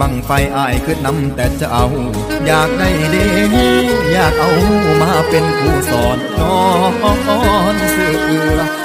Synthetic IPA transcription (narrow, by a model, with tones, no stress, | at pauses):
a˧˩ŋfa˧jʔaː˧˩jkɯː˧˩na˧˥mt̪ɛː˨˩t͡ɕa˧˩ʔa˧w | jaː˨˩k̚da˧˩jda˧˩jɦiː˧˥˩jaː˧˨˩k̚ʔa˧whuː˧˩maː˧˩pe˧npuː˧˩sɔː˨˦nkɔː˧ɔ˧˩kɔ˧˥˧nsu˧˩˨jʔɯ˧˩